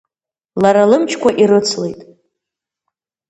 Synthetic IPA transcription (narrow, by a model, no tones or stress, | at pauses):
laɾalɨmt͡ʃʰkʷaʔiɾɨt͡sʰlejtʼ